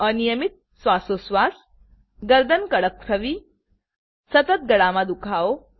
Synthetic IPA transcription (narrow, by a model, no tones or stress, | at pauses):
ənijəmit̪̚ | sʋasosʋas | ɡəɾd̪ʱənkəɽək̚t̪ʰɾəʋiː | sət̪ət̪̚ɡəɽamad̪ukʰao